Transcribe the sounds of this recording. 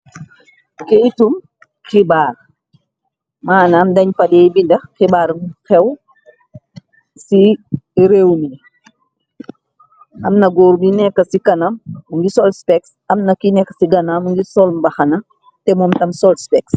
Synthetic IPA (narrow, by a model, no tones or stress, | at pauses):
kejtum | xibaːr | maːnamdɐɲfɐdɛjbindɐxxibaːɾxɛw | siɾewni | ʔɐmnɐɡɔːɾbinɛkːɐsikɐnɐmːuŋɡisɔlspɛks | ɐmnɐkinɛkːɐsiɡɐnamuŋɡisɔlmbɐxɐnɐ | tɛmɔmtɐmsɔlspɛks